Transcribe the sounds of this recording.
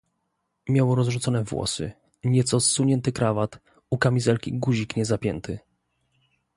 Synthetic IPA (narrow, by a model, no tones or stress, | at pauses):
mʲjawɔɾɔzʐut̪sɔnɛvwɔ̰sɘ̰ | ɲɛt̪sɔsːuɲɛnt̪ɘkɾavat̪ | ukamʲizɛlkʲḭɡuʑikɲɛzapʲjɛnt̪ɘ